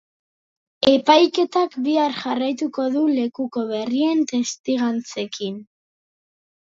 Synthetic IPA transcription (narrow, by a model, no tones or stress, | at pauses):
e̞pajke̞t̪akbiaɾʝarajt̪uko̞ðule̞kuko̞β̞e̞rie̞nt̪e̞st̪iɣant͡se̞kin